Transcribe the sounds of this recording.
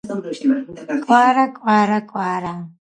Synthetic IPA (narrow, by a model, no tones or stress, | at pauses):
kʼaːɾakʷʼaːɾakʷʼaːɾa